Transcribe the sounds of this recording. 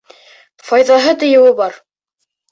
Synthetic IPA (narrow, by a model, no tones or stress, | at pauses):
fɑjðɑɦɤt̪ɘ̆jɘ̆wɘbɑɾ